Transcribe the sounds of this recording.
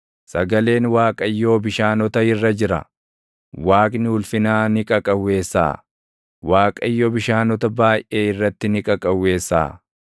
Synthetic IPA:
sɐɡɐle̞ːnwaːkʼɐjːo̞ːbɪʃaːnɔt̪ɐɪrːɐd͡ʒɪɾɐ̰ | waːkʼnɪʊlfɪnaːnɪkʼɐkʼɐwːe̞ːsːa̰ː | waːkʼɐ̰jːoːbɪʃaːnɔt̪ɐbaːjʔe̞ːɪrːɐt̪ːɪnɪkʼɐkʼɐwːe̞ːsːa̰ː

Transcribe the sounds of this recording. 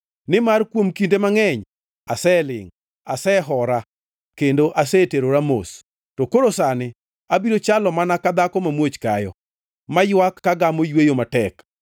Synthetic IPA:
nɪmarkwomkindemaŋɛɲ | asɛlɪ̰ŋ | asɛːɦɔɾa | kendoʔasɛteɾoɾamo̰s | tokoɾosanɪ | abiɾot͡ʃalɔmanakad̪akɔmamwot͡ʃkajɔ̰ | majwakːaɡamojwejomatɛk

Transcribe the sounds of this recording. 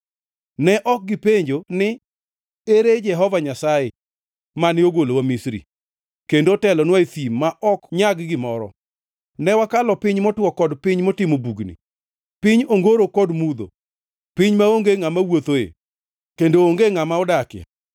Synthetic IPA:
nɛʔɔk̚ɡɪpeɲd͡ʒonɪ | eɾed͡ʒɛɦɔvaɲasaje | manɪoɡolowamisɾḭ | kendotɛlɔnwaet̪imːaʔɔkɲaɡɡɪmɔɾɔ̰ | nɛwakalɔpɪɲmɔtwɔkɔdpɪɲmɔtɪmobuɡnḭ | pɪɲoŋɡoɾokɔdmud̪o̰ | pɪɲmaoŋɡeŋamawot̪oḛ | kendooŋɡeŋamaɔdakja̰

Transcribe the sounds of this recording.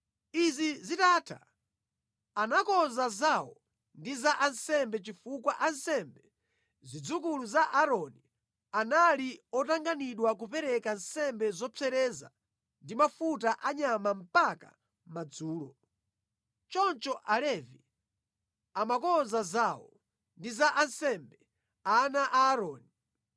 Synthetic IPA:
izizitatʰa̰ | anakɔzazawɔ | ndizaʔansɛmbɛt͡ʃifukwaʔansɛmbɛ | zid͡zukuluzaʔaɾɔni | analiɔtaŋɡaniɗwak̬upɛɾɛkansɛmbɛzɔt͡sʰɛɾɛza̰ | ndimafut̬aʔaɲamam̩paka̰ | mad͡zuːlɔ | t͡ʃɔnt͡ʃɔʔalɛvi | amakɔzazawɔ | ndizaʔansɛmbɛ | anaʔaːɾɔːni

